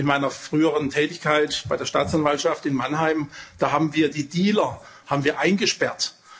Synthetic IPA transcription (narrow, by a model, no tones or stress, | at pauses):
ɪnmaɪnɐfʁ̥yːəʁəntʰɛːtɪçkaɪtb̥aɪdeːɐʃtaːt͡sanvaltʃaftɪnmanɦaɪmd̥aːɦaːbm̩viːɐdiːdiːlɐ | haːbm̩viːɐʔaɪnɡəʃpɛɐt